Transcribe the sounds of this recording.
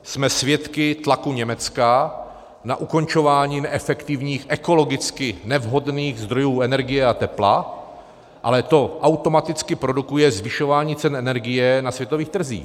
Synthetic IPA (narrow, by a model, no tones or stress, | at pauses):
smɛsvjɛt̪kɪt̪lakuɲɛmɛt͡ska | na̰ʔuko̞nt͡ʃo̞vaːɲiːnɛʔɛfɛkt̪ɪvɲiːxʔɛko̞lo̞ɡɪt͡skɪnɛvɦo̞dniːxzd̪ɾo̞juːɛnɛɾɡɪjɛat̪ɛpla | ʔa̰lɛt̪o̞ʔawt̪o̞mat̪ɪt͡skɪpɾo̞dukujɛzvɪʃo̞vaːɲiːt͡sɛnɛnɛɾɡɪjɛnasvjɛt̪oviːxt̪r̩zḭːx